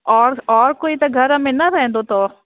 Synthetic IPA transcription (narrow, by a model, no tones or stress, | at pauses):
ɔːɾɔːɾkoːit̪ɐɡʱɐɾɦɐmẽnɐɾɛɦɛ̃nd̪ot̪o